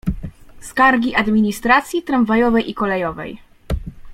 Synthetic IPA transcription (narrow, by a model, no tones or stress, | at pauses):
skaɾɡʲiʔad̪mʲiɲist̪ɾat̪sʲjit̪ɾaɱvajɔvɛjikɔlɛjɔvɛ̰j